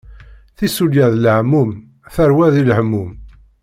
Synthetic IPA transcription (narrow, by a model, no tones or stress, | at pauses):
θisuljæðləʕmːum | θəɾwæðilhəmːum